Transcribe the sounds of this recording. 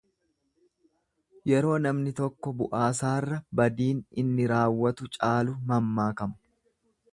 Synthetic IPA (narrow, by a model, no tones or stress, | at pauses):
jɛɾo̞ːnɐmnɪt̪ɔkːɔbʊʔaːsaːrːɐbɐd̪iːnɪnːɪɾaːwːɐt̪ʊt͡ʃʼaːlʊmɐmːaːkɐmʊ̥